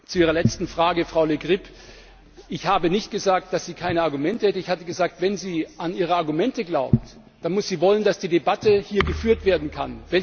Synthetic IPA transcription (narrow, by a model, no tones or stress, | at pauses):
t͡suʔiːʁ̞ɐlɛt͡stn̩fʁ̥aːɡəfʁ̥aʊleɡʁɪp | ʔɪçhaːbənɪçt̚ɡ̥əzaːk̚t̚d̥asz̥iːkʰaɪnəaɐɡumɛntəhɛtəɪçhatəɡəzaːk̚tv̥ɛnziːaniːʁ̞əaɐɡumɛntəɡlaʊp̚t | d̥anmʊsz̥iːvɔləndasd̥iːdebatəhiːɐɡəfyːɐtv̥eːɐdn̩kʰa̰nvɛl